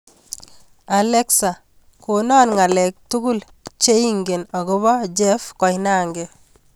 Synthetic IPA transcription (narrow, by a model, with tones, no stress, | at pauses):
a˨lɛ˦ksa˨ | ko˨nɔ˦nŋa˨lɛ˨k̚tʊ˦ɡʊ˦l | t͡ʃe˦i˦ŋɡe˨nɔ˨ɡɪ˦βɔ˦d͡ʒɛ˦fkɔ˨jna˦ŋɡe